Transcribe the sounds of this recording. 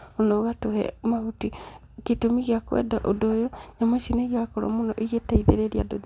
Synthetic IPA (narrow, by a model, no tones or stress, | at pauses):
onɔɣatohɛ̰mahuti | ketomiɣiakwɛ̰daʔodojoɲamaʃineɣiakɔɾɔ̰monɔʔiɣetaiðḛɾeɾia̰doð